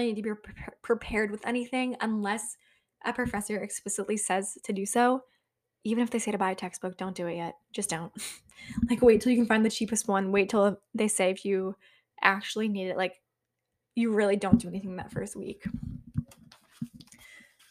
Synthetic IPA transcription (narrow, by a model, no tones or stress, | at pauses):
inid̚tʰɨbipʰɹ̥ɨpʰɛɹd̚wɨðɛñiθɪ̃ŋə̰̃nlɛs | ʔɨpʰɹ̥ɨfɛsə˞ɨksplɪsəʔˡlisɛz̥tʰɨdɨsoʊ | ivɨ̃nɨfðeɪseɪɾɨbaɪɨtʰɛksb̥ʊk̚d̥õʊ̃nd̥ɨɨʔ̚ɛt̚d̥ʒ̥ʌsd̥õʊ̃nt̚ | laɪkweɪtʰɨl̩ˠjɨkɨ̃n̩fãɪnðɨt͡ʃʰipɨst̚wʌ̃nweɪtʰəl̩ˠðeɪseɪɨfjɨ | ʔæk̚t͡ʃʉl̩ˠiniɾɨʔlaɪk | jɨɹɪlˠidõʊ̃nd̥ɨɛniθɪ̃ŋðɨ̰tfɜ̰˞st̚wḭk